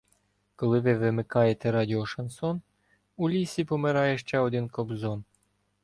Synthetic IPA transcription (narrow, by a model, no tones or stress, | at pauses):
kɔlˠɪʋɪʋɪmɪkɑjet̪ɛɾɑd̪ʲiɔʃɐnsɔn | ulʲisʲipɔmɪɾɑjeʃt͡ʃɛɔd̪ɪnkɔbzon